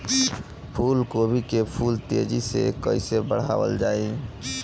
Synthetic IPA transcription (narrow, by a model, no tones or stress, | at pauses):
pʰuːlkobʱikepʰuːlt̪ed͡ʒisḛkə̰ɪsebəɽ̤a̰ːwə̰ld͡ʒaːi